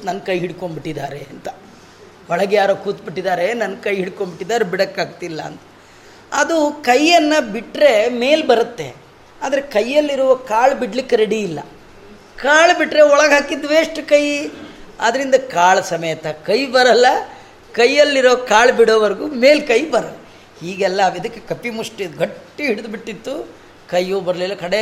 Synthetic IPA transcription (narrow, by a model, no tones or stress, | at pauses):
nɐnkɐjɦiɽkoɳbiʈːid̪aːɾeɐnt̪ɐ | ɔɭɐɡjaːɾokuːt̪̚biʈːid̪aːɾe̞nɐnkɐjɦiɽkombiʈːid̪aːɾebiɽɐkːaːɡ̚t̪ilːɐ̰ːnt̪ɐ̥ | ɐ̰d̪ukɐjːɐnːɐbiʈɾe̞me̞ːlbɐɾɐt̪ːe̞̰ | aːd̪ɐɾe̞kɐjːɐlːiɾuʋɐkaːɭbiɽlikːeɾeɽiːlːɐ̰ | kaːɭbiʈɾe̞ɔɭɐɡɦaːkid̪ʋeːʂʈɐkɐj | a̰d̪ɐɾind̪ɐkaːɭsɐmɐjt̪ɐkɐjbɐɾɐlːɐ | kɐjːɐlːiɾoːkaːɭbiɽoːʋɐɾɡuːme̞ːlkɐjbɐɾɐl | hiːɡɛlːɐʋid̪ɐkːekɐpːimuʂʈiɡɐʈːiɦiɽid̪biʈːit̪ːu | kɐjːuːbɐɾɐlilːɐkɐɽe